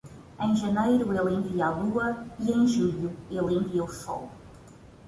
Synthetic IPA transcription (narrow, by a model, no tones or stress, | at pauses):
ẽj̃ʒɐnejɾʊelˠẽɡialˠuɐiẽj̃ʒuʎuelẽviɐwfɔ̰l